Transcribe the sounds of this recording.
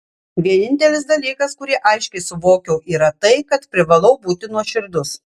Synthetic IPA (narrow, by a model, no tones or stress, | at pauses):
ʋʲiɛnʲɪnʲt̪ʲɛlʲɪs̬d̪ɐlʲiːkɐskʊɾʲiɛʔɐɪʃʲkʲɛɪsʊʋoːkʲɛʊʔiːɾɐt̪ɐɪkɐt̪pʲɾʲɪʋɐlˠɐʊbuːt̪ʲɪnuɔʃʲɪɾd̪ʊs